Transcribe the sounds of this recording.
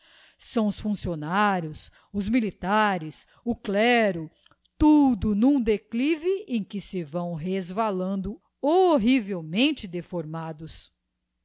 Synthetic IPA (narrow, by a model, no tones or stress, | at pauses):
sɐ̃w̃ʊsfũsionaɾjʊs | ʊzmilit̪aɾɪs | ʊklɛɾʊ | t̪ud̪ʊnũd̪eklivɪẽj̃kɪsɪvɐ̃w̃ɦezvalɐ̃nd̪ʊ | oɦivewmẽnt͡ʃɪd̪efoɾmad̪ʊs